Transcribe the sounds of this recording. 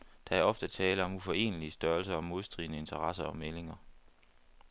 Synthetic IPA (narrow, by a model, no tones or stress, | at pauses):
d̥ɑ̈æɐɒ̽fd̥ət͡sʰɛːləɒ̽mufɒ̽e̝̰ːnəliəsd̥ɶɐlsɐɒ̽mːo̝ðˠsd̥ʁḭːnəe̝nt͡sʰɐʁɑ̈sɐɒ̽mele̝ŋɐ